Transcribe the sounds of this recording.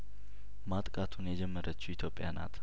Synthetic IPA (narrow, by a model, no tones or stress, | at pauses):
mat̪ʼkʼat̪ʰunjɛd͡ʒɛmːəɾət͡ʃːuit̪ʰjo̞pʼːjana̰t̪ʰ